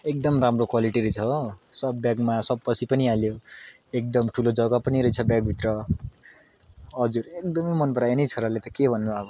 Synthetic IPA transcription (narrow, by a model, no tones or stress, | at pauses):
ek̚d̪ʌmramrokwaliʈiɾʌjt͡sʰʌsʌb̚ːjaɡmasʌb̚pʌt͡sʰipʌnialjo | ek̚d̪ʌmʈʰulod͡zʌɡapʌniɾʌjt͡sʰʌbjaɡ̚bʱit̪rʌ | ʌd͡zuɾekd̪ʌmʌjmʌnpʌɾajanʌjt͡sʰʌɾalet̪ʌkebʱʌnːuabʌ